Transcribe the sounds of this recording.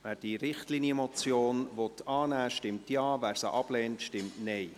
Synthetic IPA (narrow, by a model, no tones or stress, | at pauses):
væːɾd̥iɾɪχtliːnjəmɔt͡sjoːnvɔt̪ʰɑːnæːʃtɪmtjɑːvæːɾsə̰ʔɑb̥lɛːntʃtɪmtnɛɪ